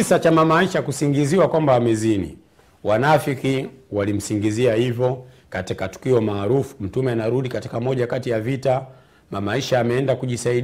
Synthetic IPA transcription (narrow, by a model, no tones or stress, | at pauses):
isat͡ʃamamaiʃakusiŋɡiziwakwambaamɛzinḭ | wanafikiwalim̩siŋɡiziahivɔ | katikatu̥kiɔmaːɾufu̥m̩tumɛanaɾuɗikati̥kamɔʄakatijavita | mamaiʃaːmɛɛndakuʄisaiɗ